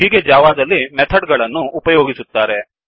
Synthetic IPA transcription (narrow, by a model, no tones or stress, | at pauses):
iɡed͡ʒaːʋaːzɐlːimɛt̪ʰɐɖɡɐɭɐnːuːpɐjoːɡisut̪ːaːɾe